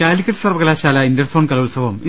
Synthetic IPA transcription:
kaːlikʲːɐʈːsɐrʋɐkɐlaːɕaːlɐindɐrsoːɳkɐlɐulsɐʋɐmi

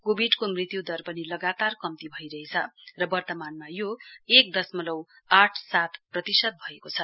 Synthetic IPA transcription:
kobʱiɖkomrit̪jud̪ʌrpʌnilʌɡat̪arkʌmt̪ibʱʌjɾʌɦet͡sʰʌrʌbʌrt̪ʌmanmajoek̚d̪ʌsmʌlʌw | aʈʰsat̪ʰprʌt̪isʌd̪̚bʱʌekot͡sʰʌ

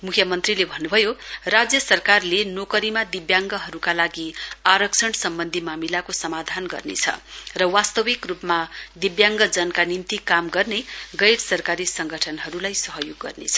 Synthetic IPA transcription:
mukʰjʌmʌnt̪rilebʱʌnːubʱʌjorad͡zjʌsʌrkarlenokʌɾimad̪ibjaŋɡʌɦʌɾukalaɡiaɾʌksʰʌnsʌmbʌnd̪ʱimamilakosʌmad̪ʱanɡʌ̰rnḛt͡sʰʌ̰rʌwast̪ʌwikrupmad̪ibjaŋɡʌd͡zʌnkanint̪ikamɡʌrneɡʌjɽsʌrkaɾisʌŋɡʌʈʰʌnɦʌɾulajsʌɦʌjoɡːʌ̰rnḛt͡sʰʌ̥

